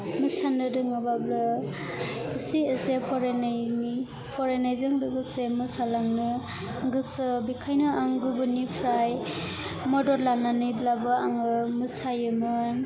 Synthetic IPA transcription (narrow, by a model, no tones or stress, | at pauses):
mɯsanɯdɯŋabablɯː | siəsepʰɔɾeni | pʰɔɾenajzɯŋdɯɡɯsemɯsalaŋnɯ | ɡɯsɯbikʰajnɯʔaŋɡɯbɯnipʰɾaj | mɔdɔɾlananɯjblabɯaŋɯmɯsajɯmɯn